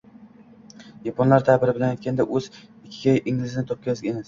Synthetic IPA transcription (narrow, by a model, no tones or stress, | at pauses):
japʰonlaɾt̪ʰabɪɾɪbɪlanajt̪̚ʲkʲand̪aʔɵzɪkʲʰːɪ̥kʲajʔɪŋlɪzɪnɪt̪ʰop̚kʲazɡʲemas